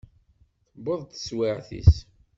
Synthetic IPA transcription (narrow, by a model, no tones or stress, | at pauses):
θbəðˤt̪ə̥swɪʕθḭs